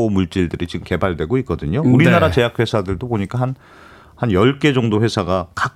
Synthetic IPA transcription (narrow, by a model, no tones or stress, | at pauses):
omuɭt͡ɕ͈iɭdɯɾit͡ɕiɡɯmke̞baɭdwe̞ɡoik̚k͈ʌdɯɲouɾinaɾat͡ɕe̞jak̚ɸwe̞sʰadɯɭdoboɲik͈aɦan | hanjʌɭk͈e̞d͡ʑʌŋdoɸwe̞sʰaɡaka